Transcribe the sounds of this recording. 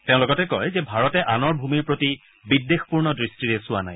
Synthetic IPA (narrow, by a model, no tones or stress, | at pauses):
tẽʊ̃lɔɡɔtɛkɔjzɛbʱaɹɔtɛʔanɔɹbʱumiɹpɹoti | bidːexpuɹnɔdɹistɹiɹɛsʊwa̰na̰j